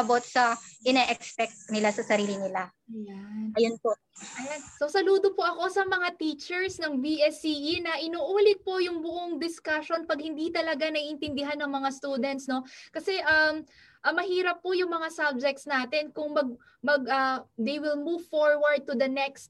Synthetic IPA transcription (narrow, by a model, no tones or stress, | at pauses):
ɐbot̪̚sɐʔɪnɛʔɛkspɛk̚t̪̚nɪlasɐsɐɾiːlɪnɪla | janɐjonpo | ʔɐjanso̞sɐluːd̪opoʔɐko̞sɐmɐŋat̪iːt͡ʃɛɹsnɐŋbiʔɛsiːʔinɐʔɪnuːʔuːlɪt̪̚pojʊŋbʊʔoŋd̪ɪskaʃo̞npɐɡhɪnd̪it̪ɐlɐɡanɐɡɪnt̪ɪnd̪ɪɦanːɐŋmɐŋast̪uːd̪ɛnt̪sno̞kɐsɛʔɐm | ʔɐmːɐhiːɾɐpːʊjʊŋmɐŋasab̚d͡ʒɛk̚t̪snaːt̪ɛnkʊŋmɐɡ̚ | mɐɡ̚ʔɐd̪ejwɪlmuːvfoɹwɐɹd̪̚t̪ʊd̪ɐnɛkst̪̚